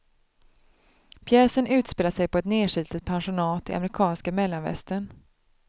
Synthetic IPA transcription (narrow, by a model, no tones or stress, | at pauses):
pʰjɛːsənʉ̟ːt̪speːlaʂɛjpɔɛt̪neːʂiːt̪ɪt̪̚pʰanɧʊnɑːt̪ɪ̰ʔa̰mɾɪkʰɑːnskamɛlːanvɛ̰st̪ən